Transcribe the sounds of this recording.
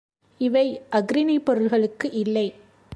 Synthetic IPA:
ɪʋɐɪʔɐɡɾɪnɐɪpːɔɾɯlɣɐɭɯkːɯʔɪlːɐɪ

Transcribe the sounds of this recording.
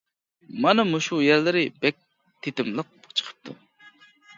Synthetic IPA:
mɑnɑmuʃujɛɾlɪɾɪbɛk̚ʲ | t̪ʰet̪ɪmlˠəq̚bot͡ʃʰə̥qʰə̥p̚t̪ʰu

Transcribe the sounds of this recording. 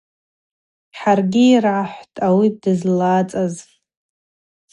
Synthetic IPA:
ħarɡʲiːrʕaħʷtʼawidɨzlat͡sʼaz

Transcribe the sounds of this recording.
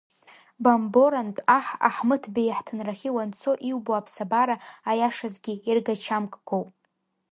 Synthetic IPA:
bambo̞ɾantʼaħa̰ħmɨtʰbejaħtʰɨnraχʲiwant͡sʰo̞ʔiwboapʰsabaɾaajaʂazɡʲiirɡat͡ʃʰamkʼɡ̥owpʼ

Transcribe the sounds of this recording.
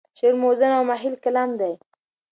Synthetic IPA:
ʃeɾmozənawmaɦilkalamd̪aj

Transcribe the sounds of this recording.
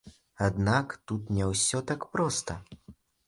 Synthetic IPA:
ad̪nakt̪ut̪nʲɛwsʲɔt̪akpɾɔst̪ɐ

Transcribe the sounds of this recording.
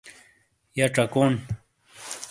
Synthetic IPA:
jaʈ͡ʂakon

